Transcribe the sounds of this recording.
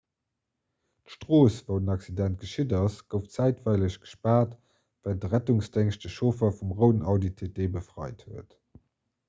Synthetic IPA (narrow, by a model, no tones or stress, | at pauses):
tʃtʁoːsvəʊdənɑksidænt̚ɡ̥əʃidɑsɡ̥əʊft͡sæɪtvɑɪləɕɡ̥ə̥ʃpaːt | vældəʁætuŋsd̥eŋʃdəʃoːfɐfumʁəʊnɑʊditʰedeːbəfʁɑ̰ɪthuət